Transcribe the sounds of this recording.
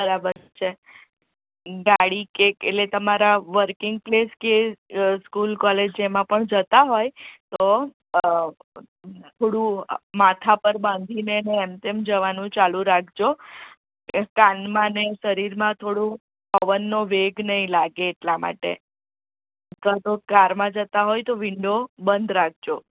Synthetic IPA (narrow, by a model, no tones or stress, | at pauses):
bəɾabəɾt͡ʃʰe | ɡaɽikeeʈlet̪əmaɾaʋəɾkɪŋɡ̚pleskeskulkɔled͡ʒemãpəɳd͡ʒət̪aɦojt̪o | t̪ʰoɽũmat̪ʰapəɾbãnd̪ʱineəneːmt̪emd͡ʒəʋanũt͡ʃalũɾakʰd͡ʒo | kanmãneʃəɾiɾmãt̪ʰoɽũ | əʋənːoʋeɡnəɦĩlaɡeːʈlama̰ʈḛ | ət̪ʰʋad͡ʒokaɾmãd͡ʒət̪aɦojt̪oʋɪɳɖobənd̪ɾak̚ʰd͡ʒo